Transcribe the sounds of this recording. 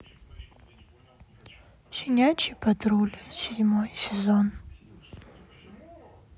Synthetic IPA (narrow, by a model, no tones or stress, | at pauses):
sʲɪnʲat͡ʃipɐd̪ɾulʲsʲɪdʲmojsʲɪzon